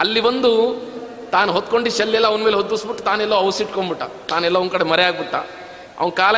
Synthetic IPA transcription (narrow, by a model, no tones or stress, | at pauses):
ɐlːibɐnd̪u | t̪aːnuɦot̪ːko̞ɳɖiʃɐlːɛlːɐʋɐnmeːleɦod̪ːusbiʈːut̪aːnɛlːɐɐwsiʈkoɳbiʈːa̰ | t̪aːnɛlːɐonkɐɽemɐɾɛaːɡ̚biʈːa | ɐ̰ʋɐnkaːlɐ